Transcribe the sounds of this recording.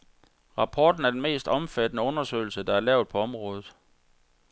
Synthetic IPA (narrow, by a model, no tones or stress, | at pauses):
ʁɑ̈pʰɒ̰ːd̥n̩æɐd̥enme̝̰ːsd̥ɒ̽mfæd̥ənəɔ̽nɐsø̰ːɪl̩səd̥ɑ̈æɐlɛʊð̥ˠpʰɒ̽ɒ̽mʁɔ̽ːð̞ð̩ˠ